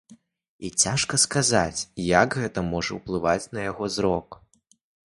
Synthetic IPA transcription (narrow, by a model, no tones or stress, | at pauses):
it͡sʲaʂkɐskaza̰t͡sʲjaɡɣɛt̪ɐmɔʐɐwplˠɨvat͡sʲnɐjaɣɔzɾɔk